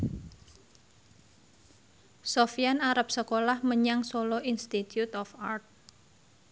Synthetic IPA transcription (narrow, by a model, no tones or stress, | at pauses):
sofianaɾap̚səkolahməɲaŋsoloʔinst̪it̪jut̪ɔfart̪̚